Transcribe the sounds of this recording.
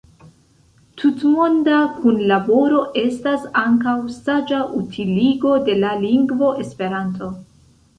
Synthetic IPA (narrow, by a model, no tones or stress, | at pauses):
tʰutmo̞ndakunlabo̞ɾo̞ʔe̞stasaŋkawsad͡ʒaʔutʰiliɡo̞de̞laliŋɡvo̞ʔe̞spe̞ɾanto̞